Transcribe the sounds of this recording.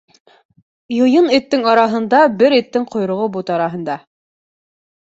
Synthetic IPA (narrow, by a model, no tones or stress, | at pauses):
jŏjɤnĭt̪ːɘŋɑɾɑɦɤ̆nd̪ɑbɘɾit̪ːɘŋqŏjɾŏʁɤbut̪ɑɾɑɦɤ̆nd̪ɑ